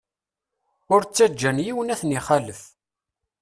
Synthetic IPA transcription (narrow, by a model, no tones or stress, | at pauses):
ʊɾt͡sːæd͡ʒːænjiwənæθniχæləf